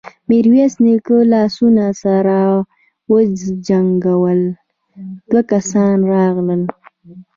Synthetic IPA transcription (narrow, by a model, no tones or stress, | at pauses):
miɾwesnikəlɑsunasaɾa | wəzd͡ʒaŋɡawəl | d̪̥wakasɑnɾɑɣləl